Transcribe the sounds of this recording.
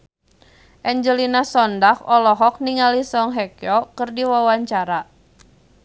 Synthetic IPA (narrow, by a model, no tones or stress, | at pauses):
ʔɛɲd͡ʒəlinasɔndahɔlɔɦɔk̚niŋalisɔŋɦɛkjɔkərdiwawaɲt͡ʃaɾa